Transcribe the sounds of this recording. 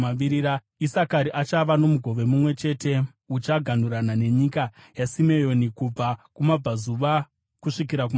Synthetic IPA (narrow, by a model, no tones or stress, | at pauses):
iɾiɾa | isakaɾiʔat͡ʃaʋano̞muɡʱo̞ʋe̞mumwe̞t͡ʃe̞te̞ | ut͡ʃaɡʱan̤uɾanane̞ɲikajasime̞jo̞nikub͡vakumab͡vazuʋa | kuʂikiɾak̬um